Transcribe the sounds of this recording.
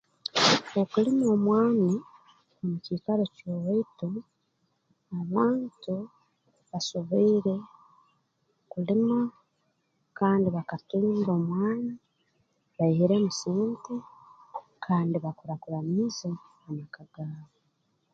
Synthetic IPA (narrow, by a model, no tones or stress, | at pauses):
o̞kulimo̞ːmwaːni | omucikaɾocoweitu | aβaːntu | βasoβoiːɾe̞ | kulima | kaːndiβakatiːŋɡoːmwaːni | βaihiɾe̞musiːnte | kʰaːndiβakuɾakuɾamiza | amakaɡaːβo